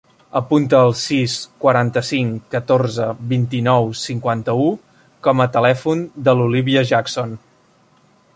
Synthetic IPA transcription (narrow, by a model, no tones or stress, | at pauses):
əpunt̪əːlˠsiskwəɾant̪əsiŋkət̪orzəβint̪inɔwsiŋkwant̪əu | kɔmət̪əlɛfund̪əluliβiəʒakson